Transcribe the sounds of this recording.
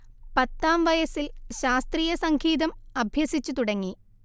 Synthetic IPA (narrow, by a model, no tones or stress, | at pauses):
pɐt̪ːaːmʋɐjɐsilɕaːst̪riːjɐsɐŋɡʱiːðɐmɐbʱjɐsit͡ɕːut̪uɽɐŋːi